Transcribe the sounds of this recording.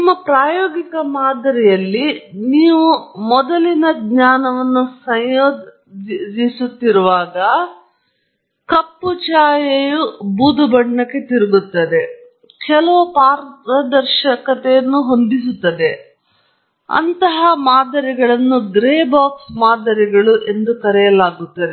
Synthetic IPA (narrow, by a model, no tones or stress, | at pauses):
nimːɐpɾaːjoːɡikɐmaːd̪ɐɾɛjɐlːiniːʋumɔd̪ɐlinɐɡɲaːnɐʋɐnːusɐjjoːd̪ | d̪isut̪ːiɾuʋaːɡɐ | kɐpːut͡ʃaːjejubuːd̪ubɐɳːɐkːe̞t̪iɾiɡut̪ːɐd̪e̞ | kɛlɐʋupaːɾɐd̪ɐɾʃɐkɐt̪ɛjɐnːuɦond̪is̬ut̪ːɐd̪e̞ | ɐ̰nt̪ɐɦɐmaːd̪ɐɾiɡɐɭɐnːuɡɾeːbaːksmaːd̪ɐɾiɡɐɭuʔe̞nd̪ukɐɾɛjɐlaːɡut̪ːɐd̪e